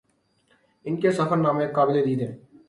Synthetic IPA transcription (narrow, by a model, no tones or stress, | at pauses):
ɪnkesəfəɾnãːmeːkːaːbɪled̪iːd̪ɦẽː